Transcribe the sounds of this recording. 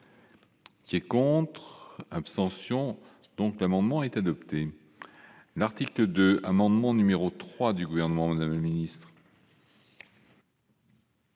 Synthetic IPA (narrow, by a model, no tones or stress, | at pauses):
kʲiɛkɔ̃t̪χapst̪ɑ̃sjɔ̃ | d̪̥ɔ̃klamɑ̃d̪mɑ̃ɛt̪ad̪ɔpt̪e | laʁt̪ikləd̪øamɑ̃d̪mɑ̃nymeʁot̪χwad̪yɡuvɛʁnəmɑ̃mad̪amləminist̪χ